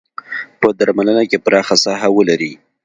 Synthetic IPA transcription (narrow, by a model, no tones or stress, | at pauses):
pəd̪aɾmalənakepəɾɑxasɑɦawəlaɾi